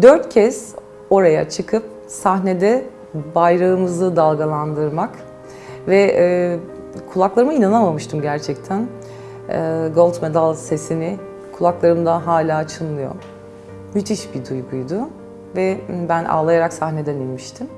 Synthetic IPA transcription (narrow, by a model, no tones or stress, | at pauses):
d̪øɾt̪cʰɛz̥ | o̞ɾaja̰t͡ʃʰɯkʰɯp̚ | sahne̞d̪ɛ | bajɾaɯmɯzɯd̪alˠɡalˠand̪ɯɾmak | vɛ | kʰulˠaklˠaɾɯmɯinanamamɯʃt̪ʰɯmɟæɾt͡ʃʰɛc̚t̪ʰæn | ɛːɡo̞lˠt̪me̞d̪alˠse̞sinɪ | kʰulˠaklˠaɾɯmd̪aɦaːlʲaːt͡ʃʰɯnlˠɯjo̰ | myt̪ʰiʃbid̪ujɡujd̪ʊ | vɛbænʔa̰ːlˠajaɾaksahne̞d̪ɛnilʲmiʃt̪ʰim